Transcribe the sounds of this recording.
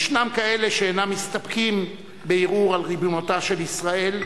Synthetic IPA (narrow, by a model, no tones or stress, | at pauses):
ʃnamkae̞leʃeːnamːist̪ap̚kim | beiʁuʁalʁibunot̪aʃe̞lisʁae̞l